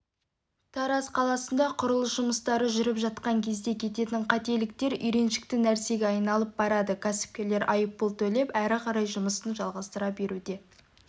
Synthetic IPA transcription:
t̪ʰɑɾɑsqʰɑlˠɑsənd̪ɑqʰʊɾəlˠəsʒʊməst̪ɑɾəʒʏɾɪpʒɑt̪̚qɑŋkʲʰe̞zd̪e̞kʲʰe̞t̪e̞t̪ɪɴqʰɑt̪e̞lɪk̚t̪e̞ɾʏjɾe̞nʃɪ̥k̚t̪ɪnæɾse̞ɡʲeɑjnɑlˠəp̚bɑɾɑd̪əkʲʰæsɪ̥p̚kʲe̞ɾle̞ɾʔɑjəpːəlˠt̪ʰɵle̞pæɾɪqʰɑɾɑjʒʊməsənʒɑlˠʁɑst̪əɾɑbe̞ɾud̪e̞

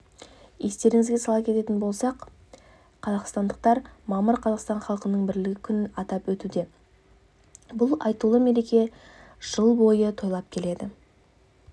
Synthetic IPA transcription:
je̞st̪e̞ɾɪŋɪzɡʲe̞sɑlˠɑpkʲe̞t̪e̞t̪ɪnbo̞lˠsɑq | qʰːɑzɑqst̪ɑnd̪əq̚t̪ɑɾmɑməɾqʰɑzɑqst̪ɑɴχɑlˠəqənəɴbɪɾlɪɡʲɪkʲʰʏnɪnɑt̪ɑpwɵt̪ud̪e̞ | bʊlˠɑ̰jt̪ulˠəme̞ɾe̞kʲe̞ | ʒ̥əlˠbo̞jət̪ʰo̞jlˠɑp̚kʲʰe̞le̞d̪ɪ

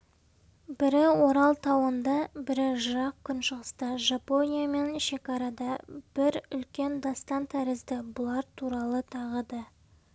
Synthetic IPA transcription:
bɪɾɪwo̞ɾɑlˠt̪ʰɑwənd̪ɑbɪɾɪʒʊɾɑq̚kʲʰːʏnʃəʁəst̪ɑʒapo̞nʲijame̞nʃe̞kɑɾɑd̪ɑb̥ɪɾʏlkʲe̞nd̪ɑst̪ɑnt̪ʰæɾɪzd̪ɪbʊlˠɑɾt̪ʰuɾɑlˠət̪ʰɑʁəd̪ɑ

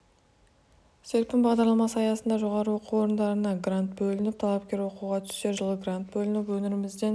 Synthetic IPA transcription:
seɾpʲɪnbɑʁd̪ɑɾlˠɑmɑsɑjɑsənd̪ɑʒo̞ʁɑɾəwo̞qʰuwo̞ɾənd̪ɑɾənɑɡrant̪̚bɵlɪnɪp̚t̪ʰɑlˠɑpkʲe̞ɾwo̞quʁɑt̪ʰʏ̥se̞ʒəlˠəɡrant̪̚bɵlɪnɪpwɵnɪɾɪmɪzd̪e̞n

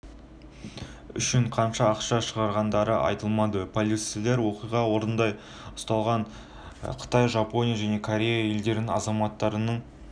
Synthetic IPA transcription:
ʏ̰ʃɪɴqʰɑnʃɑːqʃɑʃəʁɑɾʁɑnd̪ɑɾəʔɑ̰jt̪əlˠmɑd̪əpʰolʲit̪sileɾwo̞qijʁɑwo̞ɾənd̪ɑj | ʊ̥st̪ɑlˠʁɑɴ | qʰə̥t̪ɑjʒɑpo̞nʲijaʒæne̞kʰoɾʲe̞jae̞ld̪e̞ɾɪnɑ̰zɑmɑt̪ːɑɾənəɴ

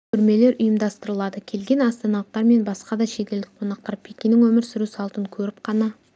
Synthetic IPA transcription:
kʲʰʏɾme̞le̞ɾʔʊjəmd̪ɑst̪əɾəlˠɑd̪əkʲʰe̞lɡʲe̞nɑst̪ɑnɑlˠqt̪ɑɾme̞nbɑsqɑd̪ɑʃe̞t̪ʲeld̪ɪk̚ʲqʰo̞nɑq̚t̪ɑɾpʰe̞kʲenɪŋwɵmɪɾsɪɾusɑlˠt̪əŋkʲʰɵɾɪp̚qʰɑnɑ

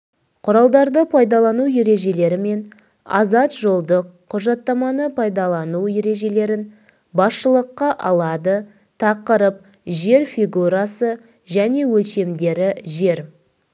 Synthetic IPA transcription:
qʰʊɾɑlˠd̪ɑɾd̪əpʰɑjd̪ɑlˠɑnuwje̞ɾe̞ʒe̞le̞ɾɪme̞n | ɑ̰zɑt̪ʒo̞lˠd̪əq̚ʰːʊʒɑt̪ːɑmɑnəpʰɑjd̪ɑlˠɑnuwje̞ɾe̞ʒe̞le̞ɾɪn | bɑsʃəlˠəqːɑʔɑlˠɑd̪ə | t̪ʰɑqəɾəp̚ | ʒe̞ɾfijɡuɾasə | ʒæne̞wɵlʃe̞md̪e̞ɾɪʒe̞ɾ

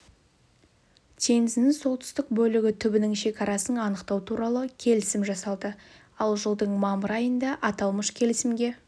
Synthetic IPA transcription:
t̪ʲʰe̞ŋɪzɪnɪŋso̞lˠt̪ʰʏ̥st̪ɪk̚bɵlɪɡʲɪt̪ʰʏbɪnɪŋʃe̞kʲɑɾɑsənɑnəqt̪ɑwt̪ʰuɾɑlˠəkʲʰe̞lɪsɪmʒɑsɑlˠd̪ə | ɑlˠʒəlˠd̪əɴmɑməɾɑjənd̪ɑʔɑt̪ɑlˠməʃkʲʰe̞lɪsɪmɡʲe̞

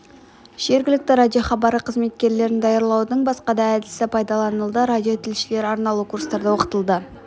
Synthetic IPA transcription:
ʒ̥e̞ɾɡʲɪlɪk̚t̪ɪɾadʲijo̞χɑbɑɾəqʰəzme̞t̪̚kʲe̞ɾle̞ɾɪnd̪ɑjɑɾlˠɑwd̪əɴbɑs̪qɑd̪ɑæd̪ɪsɪpʰɑjd̪ɑlˠɑnəlˠd̪əɾadʲijo̞t̪ʰɪlʃɪle̞ɾɑɾnɑlˠukʰuɾst̪ɑɾd̪əwo̞qə̥t̪əlˠd̪ə

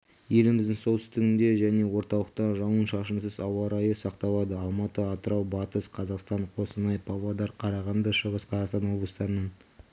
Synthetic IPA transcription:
je̞lɪmɪzd̪ɪŋso̞lt̪ʰʏst̪ɪɡʲɪnd̪e̞ʒæne̞wo̞ɾt̪ɑlˠəq̚t̪ɑʒɑwənʃɑʃənsəzɑwɑɾɑjəsɑqt̪ɑlˠɑd̪əɑlˠmɑt̪əɑt̪əɾɑwbɑt̪əsqʰɑzɑqst̪ɑɴqʰo̞sənɑjpʰavad̪ɑɾqʰɑɾɑʁɑnd̪əʃəʁəsqʰɑzɑqst̪ɑnwo̞blˠəst̪ɑɾənɑn

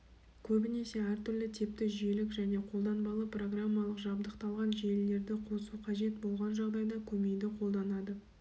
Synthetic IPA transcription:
kʲʰɵbɪne̞se̞æɾt̪ʰʏɾlɪt̪ʰep̚t̪ɪʒijelɪkʒæne̞qʰo̞lˠd̪ɑnbɑlˠəpro̞ɡramːɑlˠəqʒɑbd̪əqt̪ɑlˠʁɑnʒe̞lːe̞ɾd̪ɪqʰo̞suqʰɑʒe̞t̪̚bo̞lˠʁɑnʒɑʁd̪ɑjd̪ɑkʲʰɵme̞d̪ɪqʰo̞lˠd̪ɑnɑd̪ə

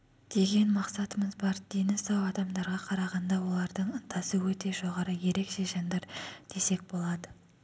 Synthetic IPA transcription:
d̪̥e̞ɡʲe̞nmɑqsɑt̪əməzbɑɾd̪̥e̞nɪsɑwɑd̪ɑmd̪ɑɾʁɑqʰɑɾɑʁɑnd̪ɑwo̞lˠɑɾd̪əɴt̪ʰɑsəwɵt̪e̞ʒo̞ʁɑɾəje̞ɾe̞kʃe̞ʒɑnd̪ɑɾd̪̥e̞se̞k̚bo̞lˠɑd̪ə

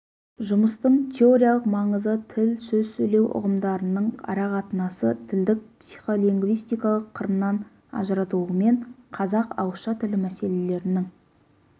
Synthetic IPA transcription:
ʒʊməst̪əɴt̪ʲʰe̞o̞ɾʲijalˠəqmɑɴəzət̪ʰɪlsɵzsɵjle̞wʔʊ̰ʁəmd̪ɑɾənəɴʰɑ̰ɾɑqɑt̪ənɑsət̪ʰɪld̪ɪk̚psi̥jχo̞lˠiŋɡvijst̪ijkɑlˠəqʰːəɾənːɑn | ɑ̰ʒəɾɑt̪ələme̞ɴqʰɑzɑqɑ̰wəʃɑt̪ʰɪlɪmæse̞lele̞ɾɪnɪŋ

